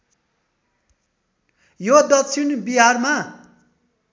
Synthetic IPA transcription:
jod̪ʌkt͡sʰinbiɦarma

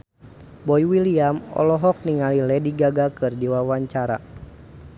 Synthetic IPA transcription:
bɔjwiliamɔ̰lɔɦɔk̚niŋalilɛdiɡaɡakɨrdiwawaɲt͡ʃaɾa̰

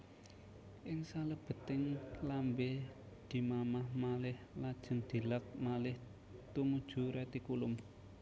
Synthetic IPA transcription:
ʔɪŋsaləb̥ə̤t̪ɪŋlambe | d̪̥i̤mamahmalɪhlad̥ʒ̥ə̤nd̪̥i̤lak̚malɪh | t̪umud̥ʒ̥ṳɾat̪ikulʊm

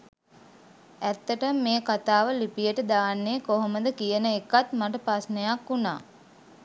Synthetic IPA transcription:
æt̪ːəʈəmːeːkat̪aːʋəlipijəʈəd̪aːnːeːkoɦoməd̪əkijənəekat̪maʈəpɾasnejakːuna̰ː

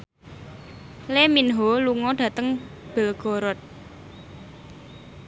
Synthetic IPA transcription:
leminɦoluŋɔɖ̥ä̤t̪əŋb̥ə̤lɡ̥o̤ɾɔt̪̚

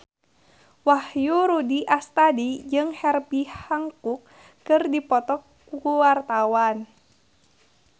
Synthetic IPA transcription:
wahjuɾudiʔast̪adid͡ʒɨŋhɛrbihaŋkukː | ɨrdipɔt̪ɔk | uwart̪awan

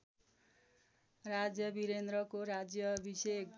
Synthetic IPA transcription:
rad͡zjʌbiɾend̪rʌkoɾad͡zjʌːbʱisʌk

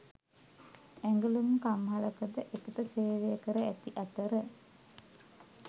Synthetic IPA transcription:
æŋɡəlumkamɦaləkəd̪əʔekəʈəseːʋejəkəɾəæt̪iʔat̪əɾə

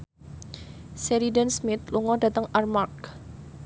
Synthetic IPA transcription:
seɾidansmɪt̪̚luŋɔda̤t̪əŋarmark

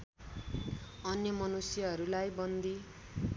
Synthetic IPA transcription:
ʌnjʌmʌnusjʌɦʌɾulajbʌnd̪i

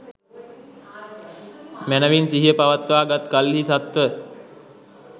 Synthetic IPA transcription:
mænəʋinsiɦijəpaʋat̪ʋaːɡat̪kalːisat̪ʋə

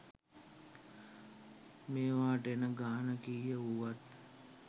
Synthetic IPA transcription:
meːʋaːʈenəɡaːnəkiːjəuʋat̪

